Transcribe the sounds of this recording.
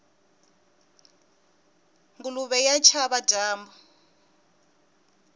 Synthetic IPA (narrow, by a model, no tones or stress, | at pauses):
ŋɡuluβɛjat͡ʃʰaβadʱaːmbɔ